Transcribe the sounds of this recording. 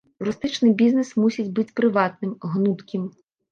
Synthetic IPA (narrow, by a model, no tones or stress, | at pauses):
rʊst̪ɪt͡ʃnɪjbʲiznesmusʲitʲbɪtʲpɾɪʋɑt̪̚nɪmɦnut̪kʲim